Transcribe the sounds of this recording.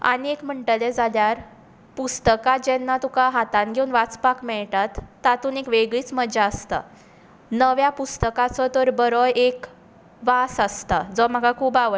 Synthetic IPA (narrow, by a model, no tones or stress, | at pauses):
a̰ɽ̃iekm̤əɳʈəlɛd͡zʱaljaɾ | pust̪əkad͡ʑɛnːat̪ukaɦat̪ãnɡʱeunʋat͡spakmɛɭʈat̪ːat̪uːnekʋeɡɭiːt͡sməd͡ʑaəst̪a̰ | nəʋjapust̪əkat͡sɔt̪əɾbəɾɔek | ʋasast̪ad͡zɔm̤əɡakʰuːbaʋə